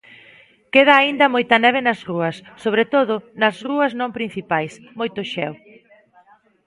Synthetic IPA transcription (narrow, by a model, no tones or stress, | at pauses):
keð̞ɐːind̪ɐmojt̪ɐnɛβ̞ɪnɐsruɐsːoβɾet̪oðʊnɐsruɐznõmpɾin̟θipajs | mojt̪ʊʃɛw